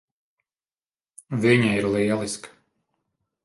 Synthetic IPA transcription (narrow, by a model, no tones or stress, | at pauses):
viɲaiɾlˠiɛlˠisk